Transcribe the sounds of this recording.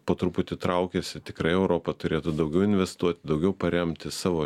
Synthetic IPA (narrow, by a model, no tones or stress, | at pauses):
poːt̪ɾʊpʊt̪ʲɪt̪ɾɐʊkʲesʲɪt̪ʲɪkɾɐɪɛʊɾoːpɐt̪ʊɾʲeːt̪ʊd̪ɐʊɡʲɛʊɪnʲʋʲɛst̪uɔt̪ʲɪd̪ɐʊɡʲɛʊpɐɾʲɛmʲt̪ʲɪsɑːʋoː